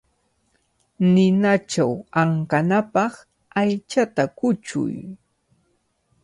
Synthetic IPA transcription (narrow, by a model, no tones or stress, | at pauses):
nɪnat͡ʃawaŋkanapɑχ | ajt͡ʃat̪akʊt͡ʃʊ̰j